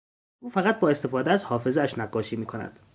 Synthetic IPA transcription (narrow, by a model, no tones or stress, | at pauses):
ʔuːfæɣæt̪̚bɒːest̪e̞fɒːd̪eæzhɒːfe̞zeæʃnæɡɒːʃiːmiːkʰo̞næ̰d̪̥